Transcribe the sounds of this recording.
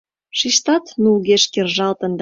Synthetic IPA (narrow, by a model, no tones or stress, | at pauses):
ʃiʃt̪ɑt̪nulɣeʃkerʒɑlt̪ə̆nd̪